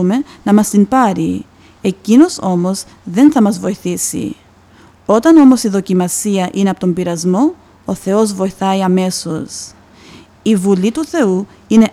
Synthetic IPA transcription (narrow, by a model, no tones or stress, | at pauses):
ume̞nɐmɐst̪impɐɾi | e̞cino̞so̞mo̞z | ðe̞nθɐmɐzvo̞iθisḭ | o̞t̪ɐno̞mo̞siðo̞cimɐsiɐʔineɐpot̪o̞mbiɾɐzmo̞ | oθe̞o̞zvo̞iθɐiɐme̞so̞s | ivulit̪uθe̞u | ine̞